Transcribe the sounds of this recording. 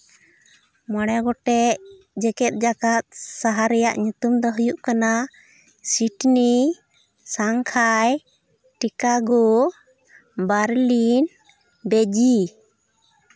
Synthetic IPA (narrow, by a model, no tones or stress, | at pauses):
maɽ̃ɛɡɔʈɛʔ | d͡ʒɛkɛt̪̚ˀd͡ʒakat̪̚saɦaɾɛjaʔɲut̪umd̪ɔɦəjuʔkana | siʈni | saŋkʰaj | ʈikaɡɔ | baɾlin | bɛd͡ʒi